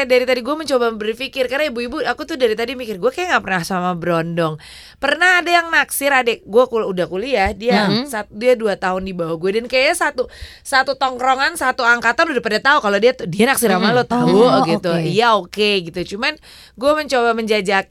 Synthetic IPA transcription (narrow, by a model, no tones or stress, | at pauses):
daɾit̪adiɡuɛməɲt͡ʃobabərfikɪrkaraibuibuakut̪ʊhdaɾit̪adimikɪrɡuakajaŋɡaʔpərnahsamabəɾondɔŋ | pərnahadajaŋnaksɪɾadɛɡuakuludahkuliadiasat̪̚diaduat̪aɦʊndibawaɡuadankajajasat̪u | sat̪ut̪ɔŋkɾɔŋansat̪uaŋkat̪anudapadat̪aukalodiat̪dianaksiɾamalot̪auɡit̪uijaokeɡit̪ut͡ʃuman | ɡuaməɲt͡ʃobaməɲd͡ʒad͡ʒak̚